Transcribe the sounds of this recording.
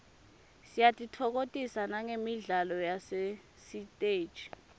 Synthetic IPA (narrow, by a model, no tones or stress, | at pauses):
sijatʼitʰɔk̬otʼisanaŋemiɮalɔjase | sitʼe̥ːt͡ʃi̥